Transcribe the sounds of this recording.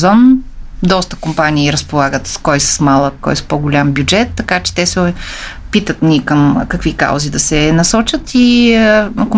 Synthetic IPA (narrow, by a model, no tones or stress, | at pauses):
zɔnd̪ɔst̪ə̥kompanʲiːɾɐspolˠaɡət̪skɔjsə̥smalˠəkːɔ̰jspoɡʊlʲambʲjud͡ʒɛt̪ːɐkat͡ʃɛ̥t̪ɛs | pit̪ət̪nikəmkɐkvika̰wzid̪ɐsɛnɐsɔt͡ʃət̪i | ko